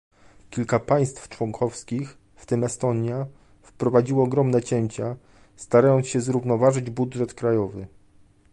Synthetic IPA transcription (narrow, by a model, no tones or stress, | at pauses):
kʲilkapaj̃st̪ft͡ʂwɔŋkʰɔfskʲix | ft̪ɘmɛst̪ɔɲja | fpɾɔvad͡ʑiwɔːɡɾɔmnɛt͡ɕɛɲt͡ɕa | st̪aɾajɔnt̪sɕɛzɾuvnɔvaʐɘd͡ʑbudʐɛt̪kɾajɔvɘ